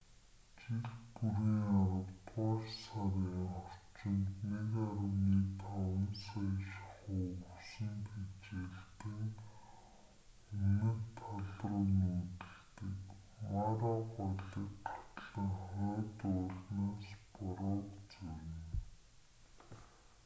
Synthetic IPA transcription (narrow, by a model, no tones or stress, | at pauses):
t͡ɕiɮpuɾiːŋaɾə̆wt̪ʊːʃsaɾiːŋχɔr̥t͡ɕɪ̆nt̪nekaɾə̆wniːt̪ʰawə̆nsajʃaχuːusɘ̆mpʰit͡ɕeːɮt̪ɘ̆ŋ | ɵnɘ̆rt̪ʰaɮrʊːnuːt̪ɘ̆ɮt̪ɘ̆k | maɾɔːɢɔɮɪ̆kʰḁt̪ɮə̆ŋχɔːt̪ʊːɮnaːspʊɾɔːkt͡suwɪ̆n